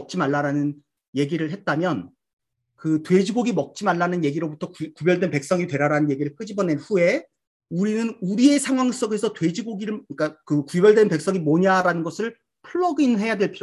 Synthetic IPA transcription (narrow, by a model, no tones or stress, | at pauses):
ʌk̚t͡ɕ͈imaɭːaɾanɯn | je̞ɡiɾɯɭɦe̞t̚t͈amjʌn | kɯtwe̞d͡ʑiɡoɡimʌk̚t͡ɕ͈imaɭːanɯnje̞ɡiɾobutʰʌkkubjʌɭdwe̞npe̞k̚s͈ʌŋitwe̞ɾaɾanɯnje̞ɡiɾɯɭk͈ɯd͡ʑibʌne̞nɸue̞ | uɾinɯnuɾie̞sʰaŋɦwaŋs͈ʌɡe̞sʰʌtwe̞d͡ʑiɡoɡiɾɯɭk͈akɯkubjʌɭdwe̞npe̞k̚s͈ʌŋimoɲaɾanɯnɡʌsʰɯɭ | pʰɯɭːʌɡinɦe̞jadwe̞ɭpʰiɾo